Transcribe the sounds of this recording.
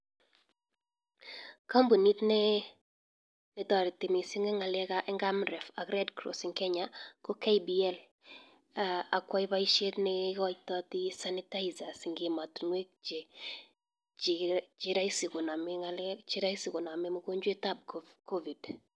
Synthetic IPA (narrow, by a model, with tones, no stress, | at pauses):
ka˦mbu˨ni˦tnɛ˦ | nɛ˨tɔ˨ɾɪ˨tɪ˨mi˨sɪ˦ŋɛ˦ŋa˨lɛ˦ka˦ʔɛ˦ŋɡa˦mɾɛ˨fa˨ɡɾɛ˦dkɾo̰˨sɪ˨ŋkɛ˦ɲa˦kɔ˦ka˦jbiɛ˦l | aa˨kwa˦ɪ˦ba˦iʃe˦tnɪkɔ˦t͡ʃtɔ˦t̪ɪ˦sa˦nɪ˦ta˦jza˨sɪ˨ŋɡɪ˨ma˨tnwe˦k̚t͡ʃe˨ | t͡ʃɪ˦ɾa˦i˦sɪ˨kʊ˨na˨mɪŋalt͡ʃɪ˦ɾa˦i˦sɪ˨kʊ˨na˨mɛ˦mo˦ko˦ɲd͡ʒwe˦ta˦b̚ko˦vi˨d